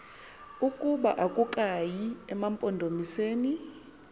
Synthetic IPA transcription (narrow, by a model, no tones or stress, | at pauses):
ukʼuɓa̰ʔakʼukʼajiɛmampʼɔndʱomiseːni